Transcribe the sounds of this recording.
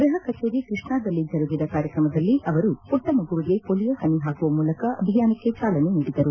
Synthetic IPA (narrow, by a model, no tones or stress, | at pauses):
ɡɾuɦɐkɐt͡ʃeːɾikɾɨʂɳaːd̪ɐlːid͡ʒʱɐɾuɡid̪ɐkaːɾjɐkɾɐmɐd̪ɐlːiʔɐʋɐɾupɔʈːɐmɐɡuʋiɡe̞polijɐhɐniɦaːɡuʋɐmuːlɐkɐʔɐbʱijaːnɐkːet͡ʃaːlɐneniːɽid̪ɐɾu